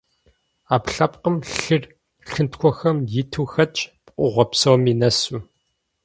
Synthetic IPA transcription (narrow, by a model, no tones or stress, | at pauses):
aːpɬɐp̚qəmɬɨr | ɬɨntxʷʰɔxɐmjɪtʰuːxɐt͡ʃʼpʼʔʷʊʁʷɔpsɐwminɐsuː